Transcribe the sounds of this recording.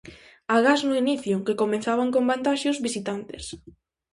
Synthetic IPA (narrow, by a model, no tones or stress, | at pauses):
aɣaznʊiniθjʊkekomẽnθaβaŋkõmbant̪aʃʊzβisit̪ant̪es